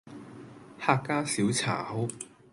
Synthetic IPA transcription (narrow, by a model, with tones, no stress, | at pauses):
haː˧kkːaː˥siː˨˥wt͡sʰa̰ː˨˩ho˥w